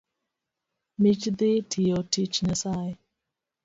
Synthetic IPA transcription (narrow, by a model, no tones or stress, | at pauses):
mit͡ʃd̪ɪtʰijotit͡ʃɲasajɪ